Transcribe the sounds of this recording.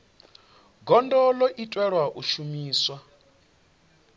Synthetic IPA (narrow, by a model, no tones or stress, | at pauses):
ɡɔndɔlɔʔitʼwɛɺwaʔuʃumiːswa